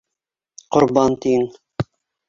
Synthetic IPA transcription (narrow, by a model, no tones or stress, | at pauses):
qŏɾbɑnt̪iŋ